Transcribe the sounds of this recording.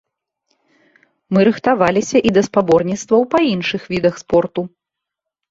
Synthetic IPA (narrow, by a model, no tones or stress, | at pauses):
mɨɾɨxt̪avalʲisʲɐʔid̪ɐspabɔrnʲit̪st̪vɐwpɐinʂɨxvʲid̪ɐxspɔrt̪u